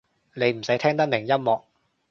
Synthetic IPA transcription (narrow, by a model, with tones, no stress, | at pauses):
ne˨˥jm̩˨˩sɐ˨˥jt̪ʰɛː˥ŋt̪ɐ˥k̚mɪ˨˩ŋjɐ˥mmɔː˨k̚